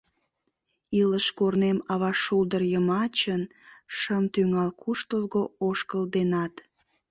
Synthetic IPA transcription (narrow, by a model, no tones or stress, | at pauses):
iləʃkornemɑβɑʃuld̪ərjəmɑt͡ɕənʃəmt̪yŋɑlkʰuʃt̪əlɣooʃkəld̪enɑt̪